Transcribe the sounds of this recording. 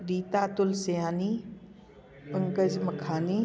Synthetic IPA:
ɾiːt̪aːt̪ʊlsɐjaːni | pɐŋkəd͡ʒmɐkʰaːni

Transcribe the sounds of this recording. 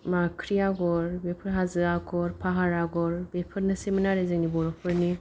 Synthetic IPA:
makʰɾiaɡɔɾbepʰɯɾɦazɯaɡɔɾpʰaɦaɾaɡɔɾbepʰɯɾnɯsemɯnaɾezɯŋnibɔɾɔpʰɯɾni

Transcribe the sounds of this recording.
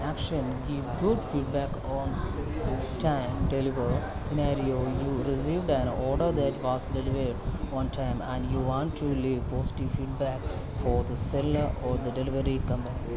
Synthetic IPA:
ækʃə̃nɡiʋɡʊɖfiːɖ̚bæk | ɔ̃n | ʈʰãɪ̃mʈeliʋə | sɪnaɾioːjuːɾɪsiːʋɖæ̃nɔːɾɖəɾd̪æʈʋɔːzɖeliʋeɾɖɔ̃nʈʰãɪ̃mæ̃ɳɖjuːʋɔ̃ːɳʈʰːuliʋpɔːsɪ̥ʈiʋfiːɖ̚bæk | fɔːɾd̪əsɛlləɾɔːɾd̪əɖelɪʋəɾikʌ̃mpəni

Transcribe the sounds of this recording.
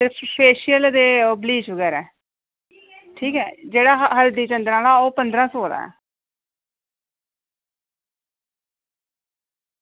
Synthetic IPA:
əpʰeːʃɪjəld̪eːoːbliːt͡ʃʋəɡɛːɾɛː | ʈʰiːkɛːd͡ʒeːɽaːɦəld̪ĩːt͡ʃənd̪ɾãːlaːoːpənd̪ɾãːsoːd̪a̰ːɛ̰ː

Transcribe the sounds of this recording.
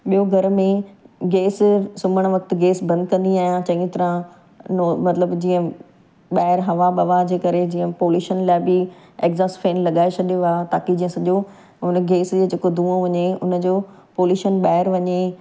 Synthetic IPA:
ɓijoɡʱɐɾmẽɡeːssʊməɽ̃ʋɐkt̪ɪ̆ɡeːsbɐ̃nd̪kɐ̃nd̪iaːɦijãt͡ɕɐ̃ĩt̪ɐɾã | nomɐt̪ləbd͡ʑĩːə̃ | ɓaːɪɾɦɐʋaɓɐʋad͡ʑeːkɐɾed͡ʑĩːə̃poːljuːʃənlaːɪbɪ | ekzaːsfeːnlɐɠaːet͡ɕʰɐɗijoat̪a̰ːkid͡ʑĩːə̃sɐʄo | ʊn̆ɡeːsd͡ʑeːd͡ʑeːkod̪ʱũːõʋɐɲeʊ̰nə̆d͡ʑoː | poːljuːʃənɓaːɦɪɾʋɐɲe

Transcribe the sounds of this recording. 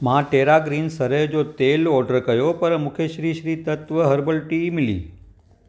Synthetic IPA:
mãːʈeɾaɡɾinsəɾed͡ʒot̪elɔɖəɾkəjopəɾmʊkʰeʃɾiːʃɾiːt̪ət̪ʋəɦəɾbəlʈimilḭ

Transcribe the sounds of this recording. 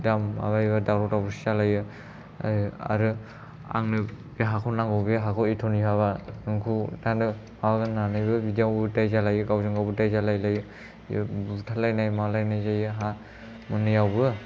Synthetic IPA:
dama̰βajβadawɾɔtabusizalajɯ | a̰ɾɯ | a̰ŋnɯbeɦakʰɔwnaŋɡɔwbeɦakʰɔwetʰɔnihaβanɯŋkʰudandɯ | mawzɯnanɯjbɯbidijawbtajzalajɯɡawzɯŋɡawbɯtajzalajlajɯ̰ | butʰalajnajmalajnajzajɯɦa | mɯnɯjawbɯ

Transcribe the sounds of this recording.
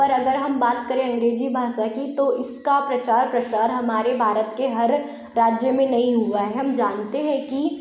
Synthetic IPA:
ɐɾɐɡəɾɦɐmbaːt̪kɐɾẽɐ̃ŋɡɾeːd͡ʒibʱaːʃakit̪oɪskapɾɐt͡ʃaːɾpɾɐʃaːɾɦɐmaːɾebʱaːɾət̪keɦɐɾː | aːd͡ʒjəmẽnɐɦĩɦuaɦɛɦɐmd͡ʒaːnt̪eɦɛ̃ki

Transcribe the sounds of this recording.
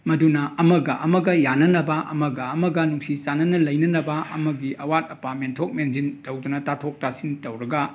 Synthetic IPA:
mɐdunɐɐmɐɡɐʔɐmɐɡɐjanɐnɐbɐʔɐ̰mɐɡɐːmɐɡɐnuŋsit͡ʃanɐnɐlɐjnɐnɐbɐɐ̰mɐɡiʔɐwatɐpamentʰok̚mend͡ʒintɐwdunɐtatʰok̚tasintɐwɾɐɡɐ

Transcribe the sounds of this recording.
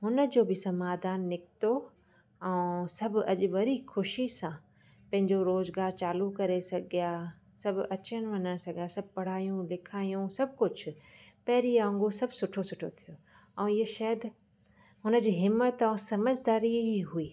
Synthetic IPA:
ɦʊnə̆d͡ʑoːbɪsɐmaːd̪aːnːɪkt̪o | ɛ̃ːsɐbʱɐʄʋɐɾixʰʊʃisã | pɐ̃ɦɪ̃ɲd͡ʑoɾoːzɡaːɾt͡ɕaːlukɐɾesɐɡʱijaː | sɐbʱɐt͡ɕəñ̆ʋɐnəñsɐɡʱijasɐb̚ʱpɐɽ̤aːijũlɪkʰaːijũsɐb̚ʱkʊd͡ʑʰʊpɛɦɾiãŋɡosɐbsʊʈʰosʊʈʰot̪ʰijoː | ɛ̃ːɪɦoʃɐːd̪ | ɦʊnə̆d͡ʑiːɦɪmːət̪ɐ̃sɐməzd̪aːɾiɦuiː

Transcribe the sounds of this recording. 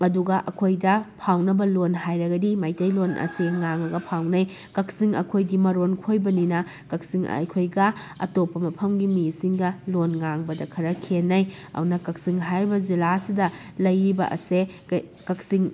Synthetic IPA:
ɐduɡɐʔɐkʰojdɐpʰawnɐbɐlonɦajɾɐɡɐdimajtɐjlonʔɐ̰seŋaŋɐɡɐpʰawnɐj | kɐk̚siŋɐ̰kʰojɡimɐɾonkʰojbɐninɐ | kɐk̚siŋ̰jkʰojɡɐ | ɐ̰topːɐmɐpʰɐmɡimisiŋɡɐlonŋaŋbɐdɐkʰɐɾɐkʰenːɐj | a̰wnɐkɐk̚siŋɦajɾbɐzilasidɐ | lɐjɾibɐ̰ʔɐ̰se | kɐk̚siŋ

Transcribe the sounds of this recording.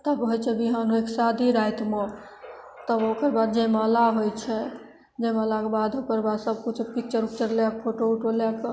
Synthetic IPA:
t̪əbɦojt͡ʃʰɛbiɦə̃nueksad̪ʱiɾajt̪mo | t̪əbokəɾbad̪̚d͡ʒeməlaɦojt͡ʃʰɛ | d͡ʒeməlakebad̪okəɾbad̪səb̚kut͡ʃʰkit͡ʃəɾukt͡ʃəɾljak̚pʰoʈouʈeljak

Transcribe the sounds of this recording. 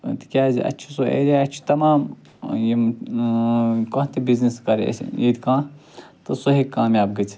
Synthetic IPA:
t̪i̥kʲaːzḭʔɐ̰t͡ʃʰi̥soḛːɾaːɐt͡ʃʰi̥t̪ɐmaːm | ji | koːt̪ibizniskɐɾ̰jid̪ʲikãːt̪ɨsoɦikːaːmjaːbɡɐt͡ʃʰ

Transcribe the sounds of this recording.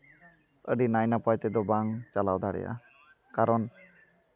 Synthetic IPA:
ə̰ɖinajnapajt̪ɛd̪ɔbaŋt͡ʃalawd̪aɽɛ̰ja̰ | kaɾɔn

